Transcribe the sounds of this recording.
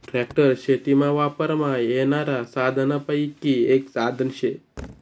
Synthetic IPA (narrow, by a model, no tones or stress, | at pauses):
ʈɾekʈəɾʃʰet̪imãʋapəɾmãenaɾasad̪ʱənəpəjkːieksad̪ʱənʃʰe